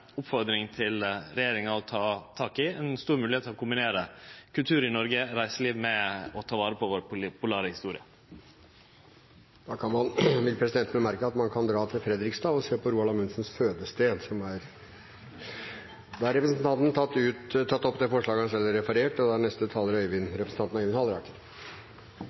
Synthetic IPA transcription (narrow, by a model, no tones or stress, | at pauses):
ʊpfɔɾd̪ɾɪŋt̪ʰɪlɾɛjeːɾɪŋɑɔt̪ʰɑːt̪ʰɑːkɪɛnst̪uːɾmʉːlɪeːt̪ʰːlɔkʰʊmbɪneːɾəkʰʉlt̪ʰʉːɾɪnɔɾɡəɾæɪsəɭiːʋmɛɔt̪ʰɑːʋɑːɾəpʰɔʋoːɾp̪ʰpʊlɑːɾəhɪst̪uːɾɪə | d̪̥ɑːkʰɑnmɑnʋɪlpʰɾɛsɪd̪ɛnt̪ənəmæɾkəɑt̪mɑnkʰɑnd̪ɾɑːt̪ʰɪlfɾɛd̪ɾɪkst̪ɑːɔseːpʰɔɾuːɑlɑmʉnsənsføːd̪əst̪eːnsɔmæɾ | d̪ɑːæɾɛpɾəsn̩t̪ʰɑnt̪n̩t̪ʰɑt̪ːʉt̪t̪ʰːɑt̪ːɔpːd̪ɛfɔʂɭɑːɡəɑnsɛlːəɾɛfɑɾeːʈɔd̪ɑnɛst̪ət̪ʰɑːləɾœʏʋɪnɾɛpɾəsn̩ɑnnɑœʏʋɪnhɑləɾɑkə